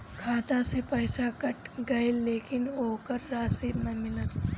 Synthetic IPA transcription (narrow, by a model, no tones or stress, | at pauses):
kʰaːt̪ãsepɐjsakɐʈɡɐjeleːkɪnoːkəɾːaːsiːd̪nɐmɪlət̪